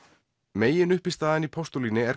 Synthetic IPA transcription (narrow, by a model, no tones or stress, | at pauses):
meːjɪnʏhpɪ̥st̪aːðɪnipʰɔst̪uliːnɪɛɾ